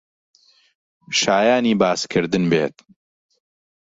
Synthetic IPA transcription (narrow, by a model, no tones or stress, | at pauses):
ʃaːjaːniːbaːskʰɨɾd̪ɨnbḛːt̪